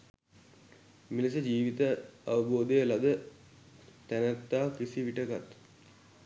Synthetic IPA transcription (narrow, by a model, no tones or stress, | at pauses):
milisəd͡ʒiːʋit̪əaʋəboːd̪əjəlad̪ə | t̪ænət̪ːaːkisiʋiʈəkat̪